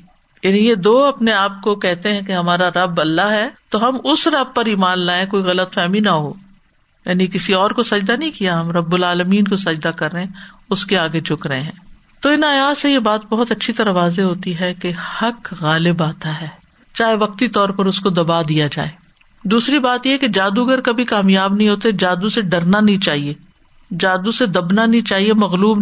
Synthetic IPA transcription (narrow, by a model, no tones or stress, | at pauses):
jaːnijed̪oːɐpneaːp̚kokɛɦt̪eɦɛ̃keɦɐmaːɾaɾɐbɐlːaɦɦɛːt̪oɦɐmʊsɾɐb̚pɐɾiːmaːnlaːẽkoːiɣɐlət̪fɛːminaɦo̰ː | jaːnikɪsiɔːɾkosɐd͡ʒd̪anɐɦĩkijaɦɐmɾɐbːʊlaːləmiːnkosɐd͡ʒd̪akɐɾːɐɦẽʊskeaːɡed͡ʒʱʊkɾɐɦẽɦɛ̃ː | t̪oɪnaːjaːsejebaːt̪̚bɐɦʊt̪ɐtːʃʰit̪ɐɾaʋaːzeɦoːt̪iɦɛkehɐkɣaːlɪbaːt̪aɦɛː | t͡ʃaːɦeʋɐq̚t̪it̪ɔːɾpɐɾʊskod̪ɐbad̪ijad͡ʒa̰ːeː | d̪uːsɾibaːt̪jeɦɛked͡ʒaːd̪uɐɡəɾkɐbʱikaːmjaːbnɐɦĩɦoːt̪ed͡ʒaːd̪useɖɐɾnanɐɦĩt͡ʃaːɦieː | d͡ʒaːd̪used̪ɐbnanɐɦĩt͡ʃaːɦiemɐɣluːb